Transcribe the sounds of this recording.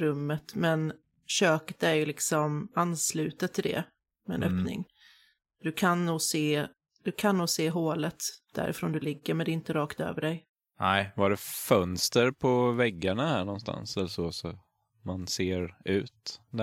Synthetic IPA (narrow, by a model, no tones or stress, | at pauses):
ɾɵmːət̪mɛn | ɕøːkə̥t̪æɾjɵlɪksɔmanːslʉ̟ːt̪ət̪ʰːɪld̪ɛ̰ | mɛɛ̰nœpnɪ̰ŋ | d̪̥ɵkʰanːuːɡseː | d̪̥ɵkʰanːuːseːɦoːlət̪d̪̥æ̰ɾʔɪ̰fɾoːnd̪ɵlɪɡːəɾmɛnd̪ɛɪnt̪əɾɑːkt̪ø̰ːvəɖɛj | vaɖɛfœnst̪əɾpʰɔvɛɡːaɳahæːɳɔnst̪ʰa̰nsɛlːəʂɔsɔ | manseːɾʉ̟ːt̪d̪